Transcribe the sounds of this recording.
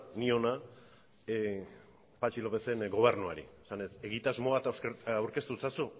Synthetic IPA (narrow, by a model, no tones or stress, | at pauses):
nio̞na | pat͡ʃilo̞pe̞se̞nɡo̞β̞e̞rnua̰ɾḭesane̞se̞ɣit̪azmo̞at̪aawɾke̞st̪ut͡sasu